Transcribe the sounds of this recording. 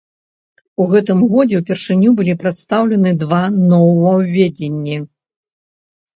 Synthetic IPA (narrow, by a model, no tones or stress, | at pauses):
uɣɛt̪ɨmɣɔd͡zʲɛwpʲɛrʂɨnʲːubɨlʲipɾat̪st̪awlʲɛnɨd̪vanɔwvɐwvʲed͡zʲenʲːi